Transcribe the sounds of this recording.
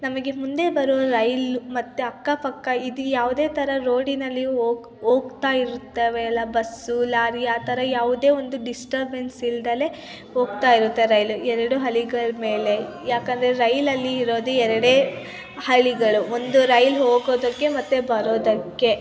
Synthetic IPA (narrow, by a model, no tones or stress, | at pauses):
nɐmɐɡe̞mund̪e̞bɐɾoːɾɐjlumɐt̪ːeɐkːɐpɐkːɐid̪ujaːʋud̪e̞ːt̪ʰɐɾɐɾo̞ːɖinɐlːioːɡ | oːɡt̪aːjiɾut̪ːeːʋeːlːɐbɐsulaːɾiaːt̪ʰɐɾɐjaːʋud̪e̞ːo̞nd̪uɖisʈɐɾbe̞nsild̪ɐle̞ | ɦo̞ːɡ̚t̪aːjiɾut̪ːe̞ɾɐjluɛɾɐɽuɦɐɭiɡɐɭme̞ːle̞ | jaːkɐnd̪ɐɾeɾɐjlɐlːiːɾo̞ːd̪uɛɾɐɽeː | hɐɭiɡɐɭuond̪uɾɐjlɦoːɡoːd̪ɐkːe̞mɐt̪ːebɐɾoːd̪ɐkːe̞